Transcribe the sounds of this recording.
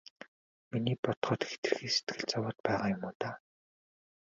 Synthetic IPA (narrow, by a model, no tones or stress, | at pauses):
miniːpɔt̪χɔːt̪xe̥t̪ɘ̆r̆xiːset̪̚ɡɘ̆ɮt͡sawɔːt̪̚pæːʁaːjʊmʊːt̪aː